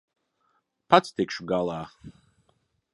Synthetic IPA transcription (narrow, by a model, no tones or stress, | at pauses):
pʰat̪st̪ɪkʃuɡalˠaː